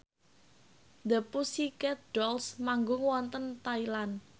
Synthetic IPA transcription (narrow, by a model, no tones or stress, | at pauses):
d̪əpusikɛt̪̚ɖ̥ɔlsmaŋɡʊŋwɔnt̪ənt̪ailan